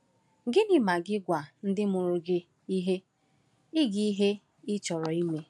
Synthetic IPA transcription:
ɡɪ˦nɪ˨ma˨ɡɪ˦ɡʷa˨n̩˦dɪ˦mʊ˨ɾʊ˦ɡɪ˦ | i˦ɦe˦ | ɪ˦ɡi˦i˦ɦe˦ | ɪ˦t͡ʃɔ˨ɾɔ˨i˦me˦

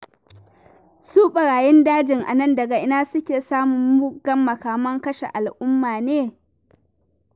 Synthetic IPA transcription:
suː˦ɓɐ˨ɽaː˨jɪ˦ndaː˦d͡ʒɪ˨ŋʔa̰˨nɐ˦ndɐ˨ɡa˨ʔɪ˦naː˦sʊ˦kʲeː˨saː˦mʊ˨mːʊ˦ɡɐ˦mːɐ˨kaː˨mɐ˦ŋkɐ˦ʃḛ˨ʔa˨lʔʊ˦mːaː˨neː˦

